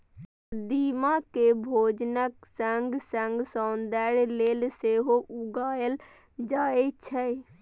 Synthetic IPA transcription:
d̪iːmakebʱoːd͡ʒnəksəŋɡsə̃ŋɡsɔ̃ːnd̪ɛɾleːlseɦoʔuɡaːəl | d͡ʒaːet͡ʃʰə

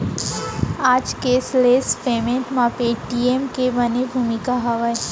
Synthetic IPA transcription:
aːd͡ʒkesleːspeːmẽɳʈmãpeʈiemkebənebʱuːmikaɦɐʋae

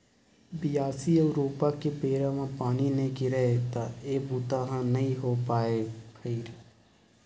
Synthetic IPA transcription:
bɪjaːsiəɾoːpakepeːɾãmãpaːninekiɾəɦet̪aeːbuːt̪aɦãnɐɦĩɦopaːeːpʰəiɾ

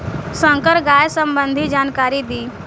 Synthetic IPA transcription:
sə̃ŋkəɾɡaːjsə̃mbə̃nd̪ʱid͡ʒaːnkaːɾid̪iː

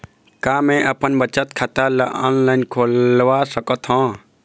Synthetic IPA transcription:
kamẽʔəpənbət͡ʃət̪kʰat̪aləʔɔ̰nlainkʰolʋasəkət̪ɦɔ̃

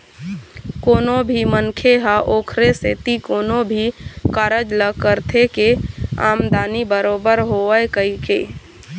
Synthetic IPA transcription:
koːnobʱimənkʰeɦaʔoːkʰɾeset̪ikoːnobʱikaɾəd͡ʒləkəɾt̪ʰekea̰ːmd̪aːnibəɾoːbəɾɦoəekəikeː

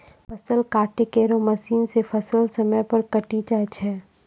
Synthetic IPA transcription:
pʰɐsəlkaːʈekeːɾomɐsiːnsefʰɐsəlsɐməjpɐɾkɐʈit͡ʃaːt͡ʃʰɛː

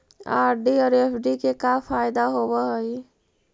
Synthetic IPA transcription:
aːɾɖiɔːɾepʰɖikekafaːɪd̪aɦobəɦəi

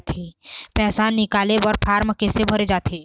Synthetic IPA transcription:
t̪ʰipɛːsaːnːɪkaːlebɔːɾpʰaːɾmkesebʱɐɾed͡ʒaːt̪ʰeː

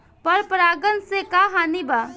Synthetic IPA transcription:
pəɾpɾaːɡənsekaɦaːnibaː

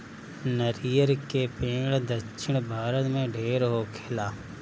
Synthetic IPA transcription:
nəɾijəɾkeːpẽːɡɽd̪əʃʰɪɳ̃bʱaːɾət̪mẽːɖʱeːɾɦoːkʰeːlaː

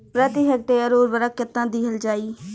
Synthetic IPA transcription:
pɾət̪iɦək̚ʈeːəɾoːɾʋəɾəkːɪt̪ːãːd̪iɦəld͡ʒaːiː

